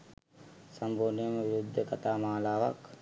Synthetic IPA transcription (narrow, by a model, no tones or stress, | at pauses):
sɐmbʱuːnijəməʋiɾud̪ʱːəkɐt̪aːmaːlaːʋa̰k